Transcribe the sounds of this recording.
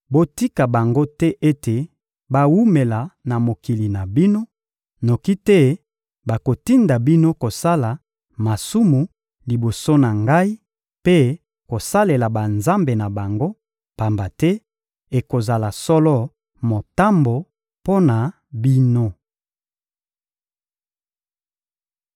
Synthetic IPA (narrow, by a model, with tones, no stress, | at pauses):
bo˦ti˦ka˨ba˨ŋɡo˦tɛ˦ʔe˦te˨ | ba˦wu˦me˨la˨na˨mo˨ki˨li˨na˨bi˦no˦ | no˨ki˦tɛ˦ | ba˨ko˨ti˦nda˨bi˦no˦ko˨sa˦la˨ | ma˨su˦mu˨ | li˨bo˨so˦na˨ŋɡa˦i˦ | pe˦ | ko˨sa˦le˨la˨ba˨nza˦mbe˨na˨ba˨ŋɡo˦ | pa˨mba˨tɛ˦ | e˨ko˨za˨la˨sɔ˦lɔ˦ | mo˨ta˦mbo˨ | po˦na˨ | bi˦no˦